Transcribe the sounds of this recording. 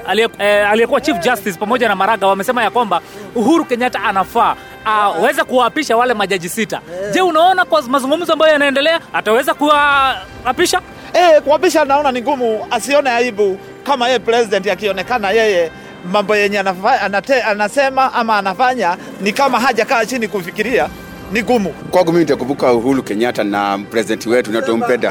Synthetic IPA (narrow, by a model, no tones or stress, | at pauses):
aaliɛkuwat͡ʃifd͡ʒastis̬pamɔʄanamaɾaɡawamɛsɛmajakwamba | uɦuɾukɛɲataʔanafaː | awɛzakuwaːpiʃawalɛmaʄaʄisita̰ʄɛunaɔnakwamazuŋɡum̩zɔambajɔjanaɛndɛlɛaːtawɛzakuwaː | piʃa | ɛkuapiʃanaɔnaniŋɡumuasiɔnɛaiɓu | kamajɛjɛpɾɛsidɛntiakiɔnɛkanajɛjɛ | mambɔjɛɲɛanaaanatɛanasɛmaʔamaːnafaɲa | nikamaɦaʄakaːt͡ʃinikufikiɾia | niɡumukwaɡɔmiminitakumbukauɦulukɛɲatana̰pɾɛzidɛntiwɛtunatɔm̩pɛnda̰